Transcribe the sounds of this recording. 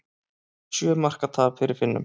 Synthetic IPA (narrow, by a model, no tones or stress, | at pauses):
sjœːmar̥kat̪ʰaːvfɪɾɪɾfɪnːʏ̰m